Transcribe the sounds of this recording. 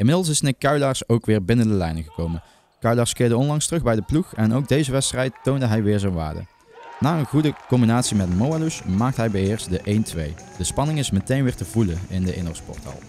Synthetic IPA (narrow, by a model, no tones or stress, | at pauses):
ɪnmɪdlˠs̬ɪsnɪkːœɥlɑːɹsowkʋɪːɹbɪnəndəlɛjnəɣəkowmən | kœɥlɑːɹskɪːɹdəɔnlɑŋstərɵɣbɛjdəpluχɛnowkɡ̚dejzəʋɛtstrɛjtːowndəɦɛjʋɪːɹzɛnʋa̰ːɹdə̰ | naːənɣudəkɔmbinaːtsimɛtmowalusmaːk̚tɦɛjbɛjɪːɹstdəʔejntʋḛj | d̥əspɑnɪŋɪsmətejnʋɪːɹtəvuləɪndəʔɪ̰nɔ̰spɔ̰ɹtɑ̰lˠ